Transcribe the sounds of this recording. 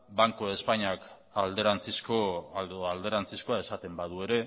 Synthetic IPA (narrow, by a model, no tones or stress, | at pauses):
baŋkoe̞spaɲak | ald̪eɾant͡siskoald̪e̞ɾant͡sisko̞ae̞sat̪e̞mbaðue̞ɾe̞